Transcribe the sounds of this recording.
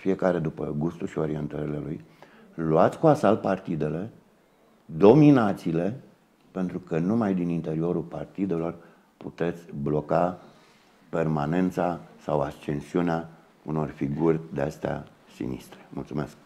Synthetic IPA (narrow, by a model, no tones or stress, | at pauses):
fije̞kaɾe̞d̪upə̰ɡust̪ulʃio̞ɾie̞nt̪əɾele̞lṵj | luat̪sʲkuasalpart̪id̪e̞le̞ | d̪o̞minat̪siːle̞ | pe̞nt̪ɾukənumajd̪inint̪e̞ɾio̞ɾulpart̪id̪e̞lo̞r | put̪e̞t̪sʲblo̞ka | pe̞rmane̞nt̪sasawast͡ʃe̞nsiunea | uno̞rfiɡurʲd̪east̪ea̰ | sḭnḭst̪ɾe̥mult̪sumesk̚